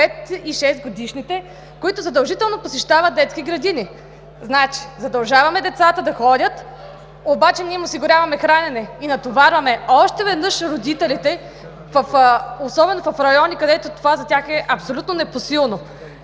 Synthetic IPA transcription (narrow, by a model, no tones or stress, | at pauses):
pɛt̪iʃɛst̪̚ɡod̪iʃnit̪ɛ | koit̪ʊzɐd̪ɐlˠʒit̪ɛlˠnoposɛʃt̪avət̪̚d̪ɛt̪skiɡɾɐd̪ini | znat͡ʃi̥zɐd̪ɐlˠʒavɐmɛd̪ɛt̪sat̪əd̪ɐxɔdʲət̪ | obat͡ʃɛniɛmosiɡʊɾʲjavɐmɛxɾanɛnɛinɐt̪ovaɾvɐmɛɔʃt̪ɛvɛd̪nɤʃɾod̪it̪ɛlit̪ɛ | vɐfosɔbɛnofɐfɾɐjɔnikɐd̪ɛt̪ot̪ovazɐt̪ʲaxɛʔɐpsolʲut̪nonɛposilˠno